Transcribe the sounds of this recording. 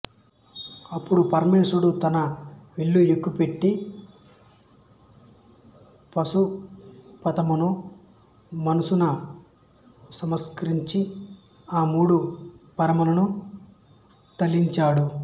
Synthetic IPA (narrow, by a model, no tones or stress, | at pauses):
ɐpːuɽupɐɾmeːsuɽut̪ɐnɐʋeɭːuekːupe̞ʈːi | pɐsu | pɐt̪ɐmunu | mɐnusunɐ | sɐmɐskɐɾiɲt͡ʃi | aːmuːɽupɐɾɐmɐlɐnu | t̪ɐlːiɲt͡ʃaːɽu